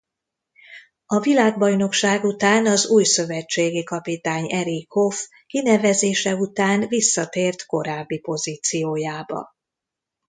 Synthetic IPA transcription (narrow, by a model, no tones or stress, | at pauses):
ɒvilaːɡbɒjno̞kʃaːɡut̪aːnɒzuːjsø̞vɛt͡ʃːeːɡikɒpit̪aːɲɛɾikʰːo̞f | kinɛvɛzeːʃɛut̪aːnvisːɒt̪eːrt̪ko̞ɾaːbːipo̞ziːt̪sijoːjaːbɒ̰